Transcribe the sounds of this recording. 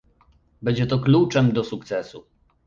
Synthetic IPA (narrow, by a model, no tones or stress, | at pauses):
bɛd͡ʑɛt̪ɔklut͡ʂɛmd̪ɔsukt̪sɛsu